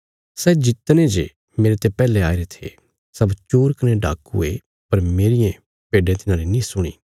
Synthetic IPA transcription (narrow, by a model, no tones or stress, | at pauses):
sɛd͡ʒɪt̪ːnẽd͡ʒe | meːɾet̪epɛːleaːeɾet̪ʰḛ | sɐbt͡ʃoːɾkɐnẽɖaːkṵe | pɐɾmeːɾɪjẽ | peːɖẽt̪ɪnãːlinĩsʊɽ̃ḭː